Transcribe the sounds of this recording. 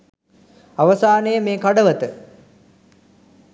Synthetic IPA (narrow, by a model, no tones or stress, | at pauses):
aʋəsaːnəjəmeːkaɖəʋət̪ə